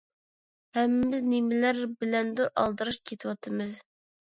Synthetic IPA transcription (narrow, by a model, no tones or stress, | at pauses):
hɛmːɪːɪznemɪlæɾbɪlɛnd̪uɾʔɑ̰lˠd̪ɨɾɨʃkʲʰet̪ʰɪwɑt̪ʰɨmɨz